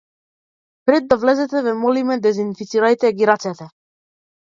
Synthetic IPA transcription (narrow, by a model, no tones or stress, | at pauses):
pɾɛd̪ːavlɛzɛt̪ɛvɛmɔlimɛd̪ɛzinfit̪siɾajt̪ɛɡiɾat̪sɛt̪ɛ